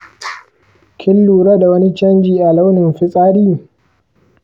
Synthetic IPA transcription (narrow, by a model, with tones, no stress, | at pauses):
kʲʰɪ˦lːuː˨ɾaː˦da˨wɐ˦ni˦t͡ʃɐ˦nd͡ʒiː˨ʔa˨la˦wnɪ˨mɸɪ˦sʼaː˦ɾiː˦